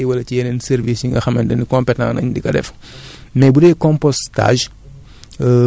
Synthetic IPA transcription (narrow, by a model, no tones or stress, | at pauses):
wɐlɐcijɛnɛnsɛɾvisiŋɡɐxɐmɛndɐnikɔ̃mpɛtã̰nɐ̰ɲdikɐdɛ̰f | mɛbudɛjkɔ̃mpɔsta̰ːʒ